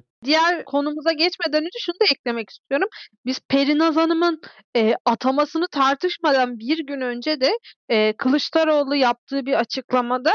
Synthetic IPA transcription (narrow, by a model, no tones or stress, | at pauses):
d̪ijæɾkʰo̞numuzaɟɛt͡ʃme̞d̪ænyd͡ʒ̪yʃunud̪aɛclʲe̞mɛci̥st̪ʰyjo̞ɾumbizpʰe̞ɾinazanɯmɯn | ɛːat̪ʰamasɯnɯt̪ʰaɾt̪ʰɯʃmad̪anbiɾɟynø̞nd͡ʒed̪ɛːkʰɯlˠɯʃt̪ʰaɾo̞ːlˠujap̚t̪ʰɯːbiɾat͡ʃʰɯklˠamad̪a